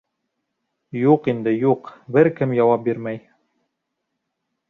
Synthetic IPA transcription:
juqind̪ɘjuqbɘɾkɘmjɑwɑp̚biɾmæj

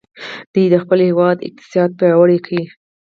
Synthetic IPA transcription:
d̪̥ujd̪əxpəlhewɑd̪ɪ̰q̚t̪ɪ̥sɑd̪̚pjɑɾawaɽekʰawi

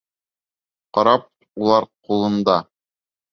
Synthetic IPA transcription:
qɑɾɑp̚ | ulˠɑɾqulˠɤ̆nd̪ɑ

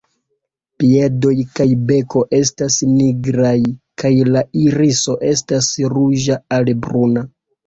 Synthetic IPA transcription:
pie̞do̞jkajbe̞ko̞ʔe̞stasniɡɾajkajlaiɾiso̞ʔe̞stasɾud͡ʒaalbɾuna

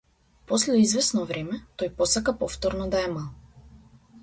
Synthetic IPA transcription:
pɔslɛizvɛsnɔvɾɛmɛt̪ɔjpɔsakapɔft̪ɔɾnɔd̪aɛmalˠ

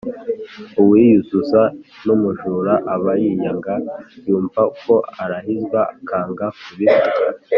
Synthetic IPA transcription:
uwijuzuzanumuʒuːɾaʔaβajiɲaŋɡajuːɱvakʰo̞aɾahizɡaakʰaːŋɡakuβizuka̰

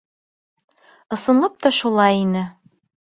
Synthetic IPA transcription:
ɤ̆sɤ̆nlˠɤp̚t̪ɒʃulˠɑjinɘ

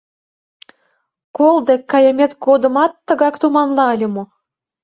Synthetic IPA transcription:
kolˠd̪ekːɑjemʲet̪ɡod̪ə̆mɑt̪ːə̆ɣɑkt̪umɑnlɑəlʲə̆mo

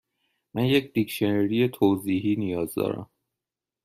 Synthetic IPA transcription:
mænjecd̪̥ikʃeneɾijet̪ʰoːziːɦiːnijɒːzd̪ɒ̰ːɾæ̰m

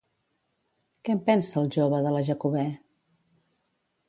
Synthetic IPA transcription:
kɛmpɛnsəːlˠʒoβəðələʒəkuβɛ

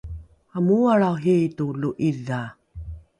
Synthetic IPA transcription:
amuaɭaɦituluʔiða

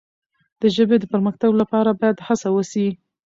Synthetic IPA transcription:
d̪̥əʒəbed̪əpəɾmaxt̪aɡlapɑɾabɑjad̪hasawəsi

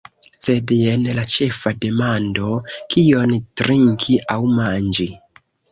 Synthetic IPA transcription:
se̞denlat͡ʃe̞fade̞mando̞kʰio̞ntɾiŋkʰiʔawmand͡ʒi

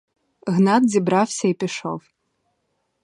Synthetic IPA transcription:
ɣnat̪̚d͡zʲibɾawsʲɐipʲiʂo̰w

